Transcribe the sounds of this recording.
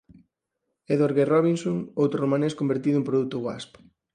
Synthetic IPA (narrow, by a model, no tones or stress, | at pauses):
eðoɾɣerɔβinsoŋowt̪ɾoromaneskombeɾt̪iðʊempɾoðut̪ʊɣwa̰sp